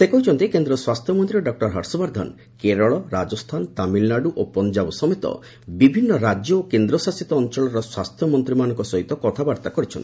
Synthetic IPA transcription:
sekɔɦit͡ʃʰɔnt̪ikend̪ɾɔswast̪ʰjɔmɔnt̪ɾiɔɖɔk̚ʈɔɾɦɔɾsɔbaɾd̪ʱɔ̰n | keɾɔɭɔɾad͡ʒɔst̪ʰant̪amilnaɖuʔopɔnd͡ʒabsɔmet̪ɔ̰ | bibʱinːɔɾad͡ʒjɔokend̪ɾɔsasit̪ɔːnt͡ʃɔɭɔɾɔswast̪ʰjɔmɔnt̪ɾimanɔŋkɔsɔɦit̪ɔkɔt̪ʰabaɾt̪akɔɾit͡ʃʰɔni

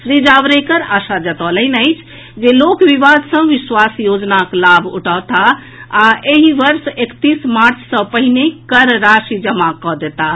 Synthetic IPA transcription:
sɾid͡ʒaʋɾekəɾaʃad͡ʒət̪ɔləɪnəɪt͡ʃʰ | d͡ʒelokʋiʋad̪sə̃ʋiswasjod͡ʒnaklabʱṵʈʰat̪a | aeɦiʋəɾsekt̪ismaɾt͡ʃʰsə̃pəɦinekəɾɾasid͡ʒəmakɔd̪et̪a

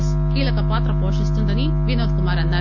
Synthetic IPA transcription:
s | kiːlɐkːɐpaːt̪ɾɐpoːʂɐst̪ɐnd̪ɐni | ʋinɐːd̪̚kumaːɾɐnd̪ɐ

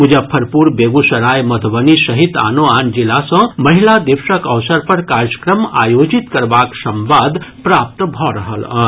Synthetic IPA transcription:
ud͡ʒapʰəɾpuɾbeɡusɐɾajmɐd̪ʱbənisəɦit̪a̰noand͡ʒilasə̃məɦilad̪iʋʃəkəʋsəɾpəɾkaɾjəkɾəma̰jod͡ʒit̪kəɾbaksəmʋad̪ʱpɾap̚t̪bʱɔɾəɦə̰lə̰

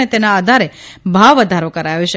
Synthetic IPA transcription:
et̪enaːd̪ʱaɾebʱaʋːəd̪ʱaɾokəɾajoʃe

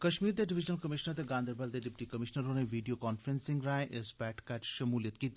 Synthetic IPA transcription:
kɐʃmiːɾd̪eɖɪʋɪd͡ʒnəlkɐmɪʃnəɾt̪eɡãːnd̪əɾbɐld̪eɖɪp̚ʈikɐmɪʃnəɾõneʋiːɖijokɔːnfɾẽnsɪ̃ŋɡɾaːẽʔesbɛːʈʰkɛt͡ʃʃɐmuːlijət̪̚kiːt̪

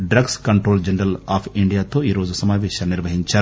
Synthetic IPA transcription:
ɖɾɐɡskɐɳʈɾoːld͡ʒɐnɛɾɐlaːpʰiɳɖijaːt̪oːiːɾoːd͡ʒusɐmaːʋeːʃɐniɾʋɐɦiɲt͡ʃa

